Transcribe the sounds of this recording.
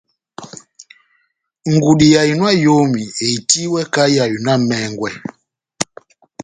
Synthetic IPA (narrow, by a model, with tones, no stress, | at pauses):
ŋɡu˨di˨ja˨ji˨nwa˦jo˦mi˨e˨i˨ti˦wɛ˦ka˦ja˨ju˨na˦mɛ˨˦ŋɡwɛ˨